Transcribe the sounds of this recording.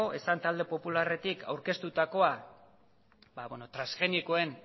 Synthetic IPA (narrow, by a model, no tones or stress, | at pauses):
oʔe̞sant̪ald̪e̞po̞pulare̞t̪ikʰa̰wɾke̞st̪ut̪ako̞a | baβweno̞t̪ɾasxe̞niko̞e̞n